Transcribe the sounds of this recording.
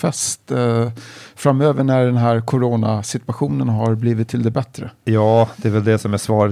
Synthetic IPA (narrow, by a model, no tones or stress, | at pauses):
fɛst̪ | fɾamːøːvəɳæɖɛnɦæːɾkʰʊɾoːnasɪt̪ɵaɧuːnənɦaɾbliːvɪt̪ʰːɪld̪ɛbɛt̪ɾəjɑːd̪ɛːvɛld̪ɛsɔmasvɑːɾ